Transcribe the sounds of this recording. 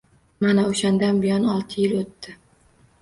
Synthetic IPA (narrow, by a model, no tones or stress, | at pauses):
manaoʃand̪anbɪjɒnɒlˠt̪ʰɪjɪlot̪ːɪ